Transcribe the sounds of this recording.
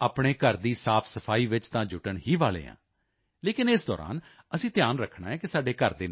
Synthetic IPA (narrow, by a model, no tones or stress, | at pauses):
aːpɳeːkəɾd̪iːsaːpʰsəpʰaːiːʋɪt͡ʃt̪ãːd͡ʒʊʈəɳɦiːʋaːlḛːã̰ː | leːkɪneːsd̪ɔːɾa̰ːn | əsĩːt̪ɪjaːnɾəkʰːɳa̰ːɦɛːkɪsaːɖeːkəɾd̪eː